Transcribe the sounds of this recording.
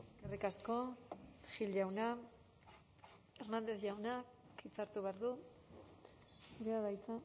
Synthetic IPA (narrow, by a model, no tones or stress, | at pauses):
skerikasko̞xilʝawna | e̞ɾnand̪e̞θʝawna | it͡saɾt̪uβeaɾðu | suɾeaβajt͡sa